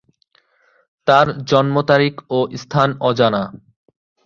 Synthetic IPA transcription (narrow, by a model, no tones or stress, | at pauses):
t̪aɾd͡ʑɔnmot̪aɾikoʔst̪ʰanɔd͡ʑana